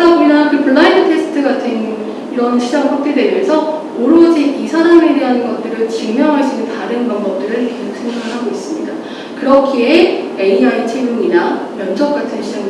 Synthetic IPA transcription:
abuinakɯpuɭːainʰɯtʰe̞s͈ʰɯ̥tʰɯɡatʰɯn | iɾʌnɕʰid͡ʑaŋɸʰak̚t͈edemesʰʌ | oɾod͡ʑiisʰanameɾiɦanɯnɡʌt̚t͈ɯɾɯɭt͡ɕiŋmjʌŋɦaɭs͈inɯntaɾɯnmʌnbʌp̚t͈ɯɾɯɭkesok̚s͈ʰe̞ŋɡakʰɯɭɦaɡois͈ɯmɲida | kɯɾʌkʰie | eiait͡ɕʰemjuŋina | mjʌnsʰʌk̚k͈atʰɯnɕʰid͡ʑaŋ

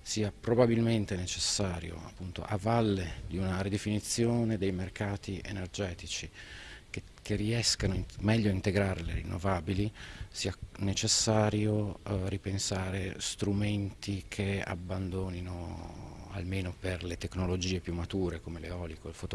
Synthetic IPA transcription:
siːapɾobabilment̪enet͡ʃesːaːɾjo̰a̰pːunt̪o̰ʔavalːed̪iunaɾid̪efinit̪sːjoːned̪ejmerkaːt̪iʔḛnerd͡ʒɛːt̪it͡ʃi | kerːiɛskanomɛʎːoaint̪eɡɾaːɾelḛɾḭnːo̰vaːbilisiːanet͡ʃesːaːɾjoripensaːɾest̪ɾument̪ikʰea̰bːand̪oːnino | a̰lmeːnoperlet̪ekːnolod͡ʒiːepjumːat̪uːɾekomeleɔːlikoilfot̪

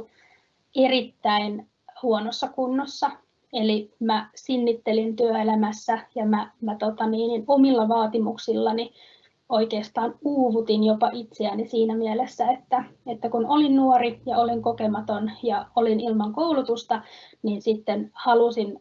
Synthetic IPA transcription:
erit̪ːæin | huonosːɑkunːosːɑ | elimæsinːit̪ːelint̪yøelæmæsːæjɑmæmæt̪ot̪ɑniːninomilːɑʋɑːt̪imuksilːɑni | oikeːst̪ɑːnuːʋut̪injopɑʔit̪seænisiːnæmielesːæet̪ːæet̪ːækunolinnuorijɑoliŋkokemɑt̪onjɑolinilmɑŋkoulut̪ust̪ɑ | niːnsit̪ːenhɑlusin

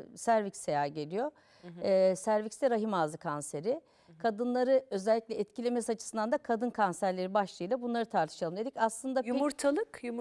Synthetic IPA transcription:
sæɾvicsejaːɟe̞lʲijo̞ | sæɾvicsd̪ɛɾaɦimaːzɯkʰanse̞ɾɪ | kʰad̪ɯnlˠaɾɯø̞zɛlʲːiclʲɛɛt̪cʰilʲe̞mesiat͡ʃʰɯ̥ɯnd̪and̪akʰad̪ɯnkʰansæɾlʲe̞ɾibaʃlˠɯjlˠabunlˠaɾɯt̪ʰaɾt̪ʰɯ̥ʃalˠɯmd̪e̞d̪icaslˠɯnd̪aumuɾt̪ʰalˠɯkju

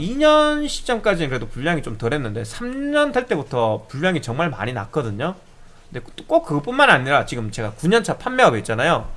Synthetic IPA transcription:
iɲʌnɕʰi̥t͡ɕ͈ʌmk͈ad͡ʑinɯnkɯɾe̞dopuɭːjaŋit͡ɕomtɯɾe̞nːɯnde̞sʰamɲʌntʰaɭt͈e̞butʰʌpuʎːaŋit͡ɕʌŋmaɭma̰ɲina̰k͈ʌdɯɲo | ɯnde̞ktok͈ok̚kːɯp͈unmanaɲiɾat͡ɕiɡɯmt͡ɕe̞ɡakuɲʌnt͡ɕʰapʰanmːjeʌbiet̚t͡ɕ͈anajo

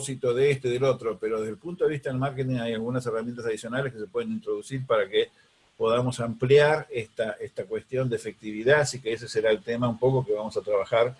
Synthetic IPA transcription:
sit̪oðeest̪eðelo̞t̪ɾo̞peɾo̞ðe̞ðelpunt̪oðiht̪aðelmaɾket̪̬iŋajalɣunaseramjent̪as̬aðisjo̞naleskes̬epwe̞ðenĩnt̪ɾo̞ðusiɾpaɾake | po̞ðamo̞sampljaɾest̪aʔest̪akwest̪jo̞nd̪eːfek̚t̪iβiðasikees̬eseɾaelt̪emaumpo̞kokeβamo̞sat̪ɾaβaxaɾ

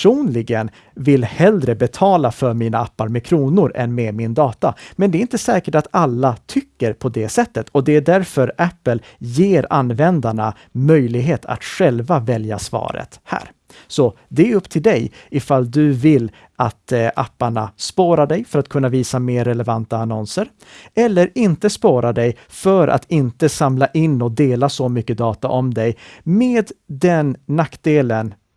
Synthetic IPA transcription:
uːnlɪɡən | vɪlhɛld̪ɾəbɛt̪ʰɑːlafœɾmiːnaapːaɾmɛkʰɾuːnʊɾɛ̰nmɛmɪnd̪ɑːt̪amɛnd̪ɛɾɪnt̪əsɛːkəʈat̪alːat̪ʰʏkːəɾpʰɔd̪ɛsɛt̪ːət̪ʰɔd̪ɛæɖæɾfœɾʔæpːəl | jeːɾa̰nːvɛnd̪aɳa̰ | mœjlɪɡɦeːt̪ʰa̰t̪ɧɛlvavɛlja̰svɑ̰ːɾə̰t̪hæ̰ːɾ | sɔ | d̪ɛɾɵpːt̪ʰɪld̪ɛjɪfalːd̪ɵvɪlː | ʔat̪ʔapːaɳaspoːɾaɖɛjfœɾat̪kʰɵnːaviːsameːɾːɛlɛvant̪aːnɔnsəɾ | ɛlːəɾɪnt̪əspoːɾad̪ɛj | fœɾʔa̰t̪ʰɪnt̪əsamlaʔɪnːɔd̪eːlasɔmʏkːəd̪ɑːt̪aʔɔmd̪ɛjmeːd̪d̪ɛnːak̚ːd̪eːlən

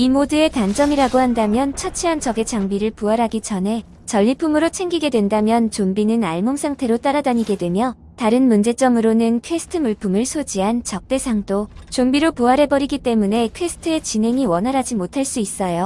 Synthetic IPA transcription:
imodɯe̞tand͡ʑʌŋiɾaɡohandamjʌnt͡ɕʰʌt͡ɕʰeɦant͡ɕʌɡe̞t͡ɕaŋbiɾɯɭpuaɾɦaɡit͡ɕʰʌnɦe̞ | t͡ɕʌʎːipʰumɯɾot͡ɕʰe̞ŋɡiɡe̞dwe̞ndamjʌnt͡ɕombinɯnaɭmoŋsʰaŋtʰe̞ɾot͈aɾadaɲiɡe̞dwe̞mjʌ | taɾɯnmund͡ʑe̞t͡ɕ͈ʌmɯɾonɯnkʰwe̞sʰɯ̥tʰɯmuɭpʰumɯɭsʰod͡ʑiɦant͡ɕʌk̚t͈e̞sʰaŋdot͡ɕombiɾopuaɾɦe̞bʌɾiɡit͈e̞mune̞kʰwe̞sʰɯ̥tʰɯe̞t͡ɕinɦe̞ŋiwʌnɦaɾɦad͡ʑimotʰaɭs͈uis͈ʌjo

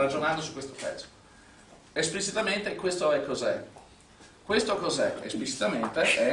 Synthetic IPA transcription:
rad͡ʒonand̪osu̥kːwest̪opɛ̰t̪sːo̥ | esplit͡ʃit̪ament̪ekːwest̪oɛkːozɛ̰ | kwest̪okozɛḛsplit͡ʃi̥t̪ament̪eɛ

